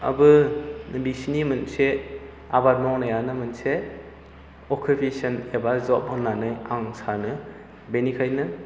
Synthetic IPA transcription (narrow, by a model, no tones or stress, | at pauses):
ɐ̰bɯbisnimɯnse | abaɾmɔŋnajanɯmɯnse | ɔkʰupʰesɐnebazɔp̚haŋlːanɯjaŋsanɯ | benikʰajnɯ